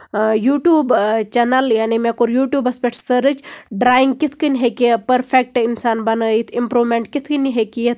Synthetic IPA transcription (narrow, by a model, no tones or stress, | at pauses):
juːʈjuːbt͡ʃɛnəljaːnimẽkuɾjuːʈjuːbɐspeʈʰsəɾɨt͡ʃɖɾaːiŋɡkit̪ʰkɨnʲɦekipɐɾpʰek̚ʈinsaːnbɐnit̪ʰimpɾoːmẽɳʈkit̪ʰkɨniɦekijɐt̪ʰ